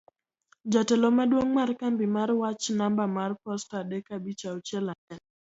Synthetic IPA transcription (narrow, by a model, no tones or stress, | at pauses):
d͡ʒatɛlɔmadwoŋmaɾkambimaɾwat͡ʃnambamarpɔstadɛkabit͡ʃaut͡ʃɛlanɛn